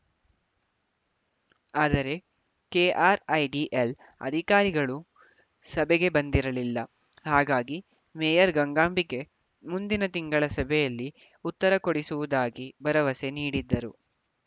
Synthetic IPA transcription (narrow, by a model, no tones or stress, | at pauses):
aːd̪ɐɾe̞ | keːʔaːɾɐjɖiʔel | ɐ̰d̪ʱikaːɾiɡɐɭu | sɐbɛɡe̞bɐnd̪iɾɐlilːɐ | haːɡaːɡi | mɛːjɐɾɡɐŋɡaːmbiɡe̞ | mund̪inɐt̪iŋɡɐɭɐsɐbʱɛjɐlːi | ut̪ːɐɾɐkoɽisuʋud̪aːɡibɐɾɐʋɐse̞niːɽid̪ːɐɾu